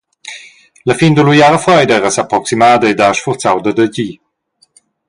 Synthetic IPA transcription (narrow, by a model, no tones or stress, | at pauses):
ləfind̪əlujaːʁəfʁɔjdəɛʁəsapɾɔksimaːd̪əed̪aʃfuʁt͡sawd̪əd̪əɟi